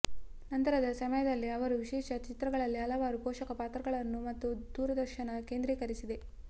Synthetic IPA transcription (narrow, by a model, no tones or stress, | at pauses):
nɐnt̪ɐɾɐd̪ɐsɐmɐjɐd̪ɐlːiɐʋɐɾuʋiʃɛːʃɐt͡ʃit̪ɾɐɡɐɭɐlːiɐlɐʋaːɾupɔːʃɐkɐpaːt̪ɾɐɡɐɭɐnːumɐt̪ːud̪uːɾɐd̪ɐɾʃɐnɐkeːnd̪ɾiːkɐɾisid̪e̞